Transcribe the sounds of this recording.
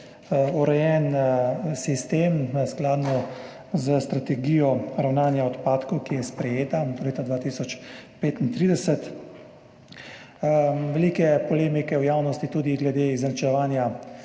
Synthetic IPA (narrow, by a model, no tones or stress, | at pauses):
uɾɛjɛn | sist̪emsklaːd̪nɔ | zəst̪ɾat̪ɛɡiːjɔɾawnaːnjaɔt̪paːt̪kɔwkijɛspɾɛjeːt̪aɔleːt̪ad̪ʋaːt̪isɔt͡ʃpeːt̪int̪ɾiːd̪ɛsɛt̪ | ʋɛlikɛpɔleːmikɛwjaːwnɔst̪it̪uːd̪iɡlɛd̪eizɐnt͡ʃɛʋaːnja